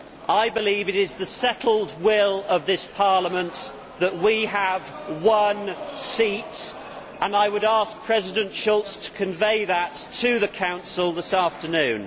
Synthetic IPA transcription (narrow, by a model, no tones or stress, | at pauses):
aɪbɪlivɨɾɪzðəsɛtˡl̩ˠd̚wɪlˠəvðɪspʰɑɹləmə̃n | ðəʔ̚wiəv | wʌ̃nsit | ʔə̃naɪwəɾɑˑsk̚pʰɹ̥ɛzɪdɨ̃ntʃʊlˠtstʰə̥kʰɨ̃ɱveɪðətʰɨðɨkʰãʊ̃nsəl̩ˠðɪsæftənʉ̃n